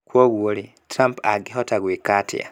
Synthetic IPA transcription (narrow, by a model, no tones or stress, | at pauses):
kwoɣuoli | tɾampaɡiɦotaɣwikatʰḭa̰